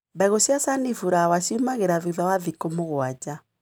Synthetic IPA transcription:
baɣosjasanifuɾawasumaɣeɾaðiðawaðikomoɣwad͡ʒa

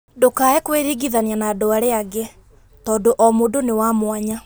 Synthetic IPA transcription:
dokaɛkweɾiɡiðanianadoaɾeaɡe | tɔːdoʔɔmodonewamwaɲa

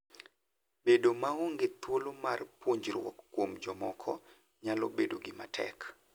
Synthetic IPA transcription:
bedomaoŋɡɪt̪wolomarpwoɲd͡ʒrwɔ̰kːwomd͡ʒɔmɔkʰɔ | ɲalɔbedoɡɪmatʰɛ̰k

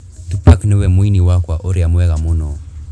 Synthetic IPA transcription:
tupaknɪwɛmwiniwakwaʔoɾiamwɛɣamunɔ

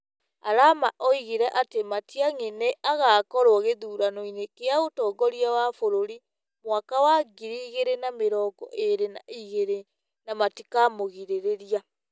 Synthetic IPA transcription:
aɾamaʔoiɣiɾɛʔatematiaŋeneʔaɣaːkɔɾoɔɣeðuːɾanoinekeaotɔːɡɔɾiawafoɾoɾi | mwakawaɡiɾiɣeɾenameɾɔːɡɔ̰ʔeɾena̰iɣeɾe | namatikamoɣiɾeɾeɾia

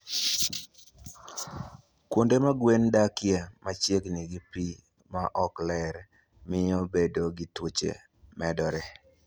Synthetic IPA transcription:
kwondemaɡwendakɪjemat͡ʃjekniɡipi | maʔɔklɛɾ | mɪɔbedoɡitwot͡ʃḛ | mɛdɔɾɛ

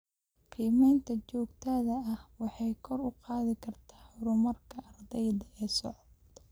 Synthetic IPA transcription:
qiːmɛːnt̪ʰɐt͡ʃɔːɡt̪ʰɐːðɐɐhwɑħɑjkʰɔrʊqɑːðɪkʰɐrt̪ʰḁːħʊɾʊmɐrkʰɐːrd̪ɛjðɐʔɛːsɔʕɔd̪

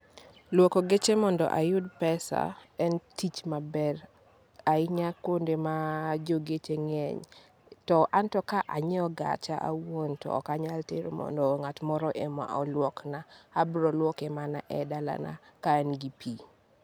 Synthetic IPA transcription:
lwokoɡet͡ʃemɔndɔ̰ʔajʊdpɛsa̰ɛntit͡ʃmabɛr | aɪɲakwondemad͡ʒoɡet͡ʃeŋɛ̰ɲ | tɔʔantɔkaʔaɲɛɔɡa̰t͡ʃaʔa̰wontɔ̰ːkaɲalteɾo̰mɔ̰ndɔŋatmɔɾɔʔema̰ʔɔlwɔknaːbɾɔlwɔkemana̰ʔɛdala̰na̰kaɛnɡipʰi

